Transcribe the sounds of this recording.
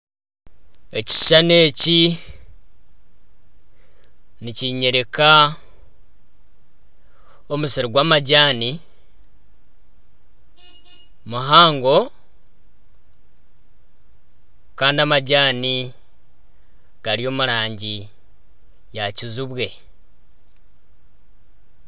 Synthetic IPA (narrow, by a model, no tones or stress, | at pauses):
e̞ci̥ʃane̞ːci | niciɲe̞ɾeka | omusiɾiɡwaːmaɟaːni | muɦaːŋɡo̞ | kaːndiamaɟaːni | ɡ̥aɾio̞ːmuɾaːɲɟi | jacizuβwe̞